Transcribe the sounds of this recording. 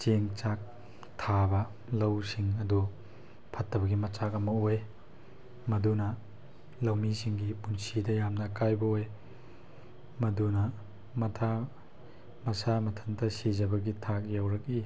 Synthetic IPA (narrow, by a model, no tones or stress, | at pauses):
t͡ʃeŋt͡ʃak̚ | tʰabɐ | lɐwsiŋɐdu | pʰɐtːɐbɐɡimɐt͡ʃakɐmɐoj | mɐdunɐ | lɐwmisiŋɡipunsidɐjamnɐkajbɐoj | mɐdunɐ | mɐtʰa | mɐsamɐtʰɐntʰɐsizɐbɐɡitʰak̚jawɾɐk̚i